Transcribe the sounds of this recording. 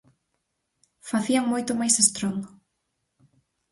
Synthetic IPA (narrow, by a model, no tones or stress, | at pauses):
faθiaŋmojt̪ʊmajsest̪ɾond̪o